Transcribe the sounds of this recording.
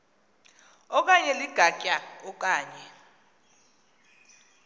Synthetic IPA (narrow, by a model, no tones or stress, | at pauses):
ɔk̬ʼaɲɛliɡ̥ʱacʼaɔkʼaːɲɛ